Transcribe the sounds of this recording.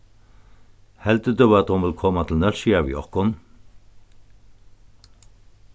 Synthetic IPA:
hɛlt̪əd̪ʏwat̪hʊnʋɪlkʰɔːmat̪ʰɪlnœlʃiavḭɔ̰hkʊn

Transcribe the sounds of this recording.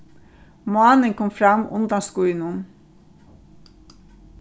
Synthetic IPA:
mɑːnəŋkʰɔmfɾɑmʊ̰nd̪ɑskuʏnʊn

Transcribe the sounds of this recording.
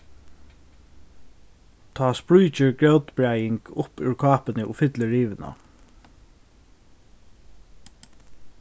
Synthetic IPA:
t̪ʰɑːspɹujt͡ʃɪɹɡɹœwt̪bɹajɪŋkʊpʉɹkʰɑːpɪnɪʔʊfɪt̪lɪɹiːʋɪna̰

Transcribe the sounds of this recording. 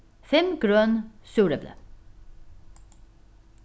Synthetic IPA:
fɛmɡ̥ɾœːnsʉːɾəblə̰

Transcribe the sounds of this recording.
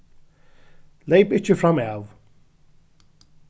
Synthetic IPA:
leɪpɪt͡ʃəfɹamaw

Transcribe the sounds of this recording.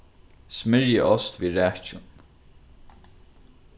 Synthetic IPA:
smɪɾjəʔɔst̪viːɾæːt͡ʃʊn

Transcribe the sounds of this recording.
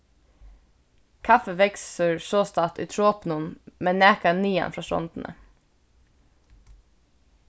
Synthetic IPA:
kʰɑfəʋɛksəɹʃoːst̪ɑːt̪ʉ̰ːt̪ʰɾoːpnʊnmeːnæːkɑniːɑ̰nfɹɑːsɔ̰nd̪n̩ʔə̰

